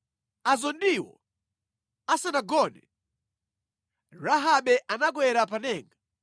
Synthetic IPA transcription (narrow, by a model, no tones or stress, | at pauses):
azɔndiwɔ̰ | asanaɡɔnɛ̰ | ɾaɦaɓɛʔanaɡwɛɾapanɛːŋɡa